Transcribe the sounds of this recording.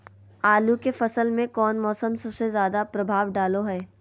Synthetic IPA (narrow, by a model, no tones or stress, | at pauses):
aːlukefɐsəlmẽkɔːnmɔːsəmsɐbsezjaːd̪apɾɐbʱaːʋɖaːloɦɛː